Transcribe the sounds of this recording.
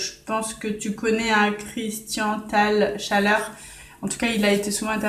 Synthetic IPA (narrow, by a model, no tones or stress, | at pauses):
ʒəpɑ̃skət̪ykɔnɛãkχist̪jɑ̃t̪alʃalœʁ | ɑ̃t̪u̥kailaet̪esuvɑ̃ɛ̃t̪ɛ